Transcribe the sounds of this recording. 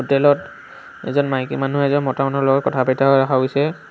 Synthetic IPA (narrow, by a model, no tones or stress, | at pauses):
utːɛlɔt | ɛ̰zɔnmaɦkḭmanuɦɛzɔnmɔtamanɔɹlɔɡɔtkɔtʰapɛtʰaɦɔjɹaxʰaɦojsɛ